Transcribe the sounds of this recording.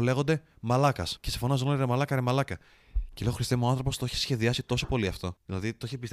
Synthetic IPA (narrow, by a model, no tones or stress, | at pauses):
le̞ɣo̞nd̪e̞ | mɐlɐkɐscesifonɐzonoɾemɐlɐkɐɾemɐlɐkɐ | cele̞ɣoxɾist̪emuɐnθɾopo̞st̪oeçesçe̞ðiɐsit̪o̞sopo̞liɐft̪o̞ðilɐðit̪oeçepis